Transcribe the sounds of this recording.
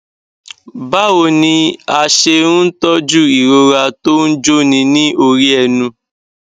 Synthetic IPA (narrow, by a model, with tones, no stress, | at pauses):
ba˦wo˨nĩ˧a˧ʃe˧ɾũ˦n̩˦tɔ˦d͡ʒu˦i˨ɾo˧ɾa˧to˦n̩˦d͡ʒo˦nĩ˧nĩ˦ʔo˧ɾi˦ɛ˧˨nũ˧